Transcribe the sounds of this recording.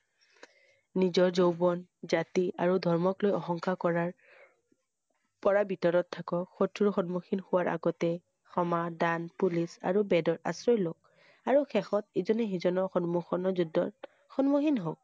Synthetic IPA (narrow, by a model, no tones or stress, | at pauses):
nizɔɹzowbɔnzatia̰ɹudʱɔɹmɔklojɔxɔŋkakɔɹaɹ | pɔɹabitɔɹɔtʰːakɔxotʰuɹɔxɔnmoxinxʊwaɹʔa̰ɡɔtɛ | xɔmadanpulisa̰ɹubɛdɔta̰sɹɔjlok̚ | aɹuxʰɛxɔtizɔnɛɦizɔnɔxɔnmuxɔnɔzudːɔ̰ | xɔnmoxinɦok̚